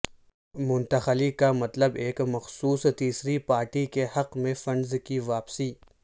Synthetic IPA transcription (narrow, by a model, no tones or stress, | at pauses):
mʊ̃nt̪əxəlikamɐt̪ləbeːkmɐxsuːst̪iːsɾipaːɾʈikehɐqmẽfɐ̃ɳɖzkiʋaːpsiː